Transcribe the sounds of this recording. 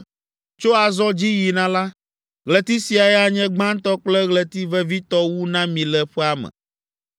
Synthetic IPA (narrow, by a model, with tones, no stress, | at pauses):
t͡ʃo˦a˨zɔ˦d͡ʑi˦ji˨nã˦la˦ | ɣle˨t̪i˦si˨a˨ɛ˦a˨ɲɛ̃˦ɡ͡bã˦n˦t̪ɔ˦k͡plɛ˦ɣlɛ˨t̪i˦vɛ˦vi˦t̪ɔ˦wu˦nã˦mĩ˨lɛ˨ɸɛ˦a˦mɛ̰̃˨